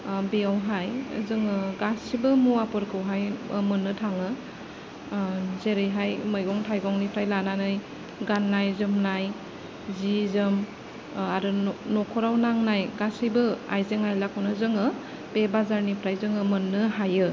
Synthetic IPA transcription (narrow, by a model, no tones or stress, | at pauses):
beawɦajzɯŋɯɡasibɯmuapɯɾkʰɯwɦajmɯnːɯtʰaŋɯ | zeɾɯjɦajmɯjɡɔŋtʰajɡɔŋnipʰɾajlananɯj | ɡanːajzɯmnaj | zizɯm | aɾɯnɔkʰɔɾawnaŋnajɡasibɯa̰jzeŋajlakʰɔnɯzɯŋɯ | bebazaɾnipʰɾajzɯŋɯmɯnːɯɦajɯ